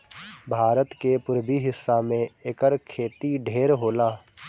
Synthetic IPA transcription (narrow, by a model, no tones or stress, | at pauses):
bʱaːɾət̪kepʊɾbiɦɪsːamẽeːkəɾkʰeːt̪iɖʱeːɾɦoːlaː